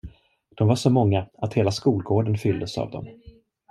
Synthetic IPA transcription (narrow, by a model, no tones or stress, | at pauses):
d̪̥ɔmvaʂɔmɔŋːaat̪heːlaskuːlɡoːɖənfʏld̪əsa̰vd̪ɔ̰m